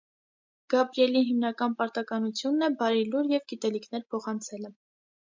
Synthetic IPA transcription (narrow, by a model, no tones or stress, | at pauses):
ɡ̥ɑpɾijɛliɦimnɑkɑnpɑɾt̪ɑkɑnut͡sʰjunːɛbɑɾiluɾjɛvɡit̪ɛlikʰnɛɾpʰɔχɑnt͡sʰɛlə